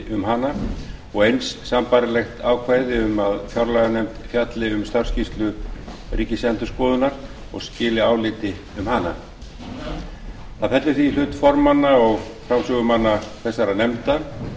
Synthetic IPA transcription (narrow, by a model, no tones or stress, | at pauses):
ʔʏmɦanːa | ɔɣejnsːampaɾɪlɛxt̪aːwkʰvaːjðɪʏmaðfjawɾlaɣanɛjmt̪fjat̪lɪʏmst̪ar̥scist̪lʏriːcɪsɛnt̪ʏ̥skɔːðʏnaɾ̥ | ɔ̰ɣscɪːlɪaːwlɪːt̪ɪ | ʏmhana̰ | θaðfɛt̪lʏθviːlʏːt̪fɔɾmanːaɔɣfɾamsœːɣʏmanːaθɛsːaɾanɛmt̪a